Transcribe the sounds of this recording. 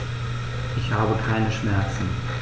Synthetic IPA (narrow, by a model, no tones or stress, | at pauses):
ʔɪçhaːbəkʰaɪnəʃmɛɐt͡sn̩